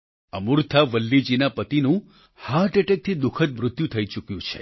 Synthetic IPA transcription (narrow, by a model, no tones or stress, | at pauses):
əmuɾt̪ʰaʋəlːid͡ʒinapət̪inũ | haɾʈeʈek̚t̪ʰid̪ʊkʰət̪̚mɾʊt̪jũt̪ʰəit͡ʃukjũt͡ʃʰḛ